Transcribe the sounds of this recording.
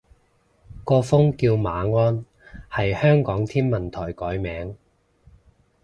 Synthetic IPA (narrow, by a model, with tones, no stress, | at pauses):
kɔː˧fʊ˥ŋkiː˧wmaː˨˥ŋɔː˥n | hɐ˨jhœː˥ŋkɔː˨˥ŋt̪ʰiː˥nmɐ˨nt̪ʰɔː˨˩jkɔː˨˥jmɛː˨˥ŋ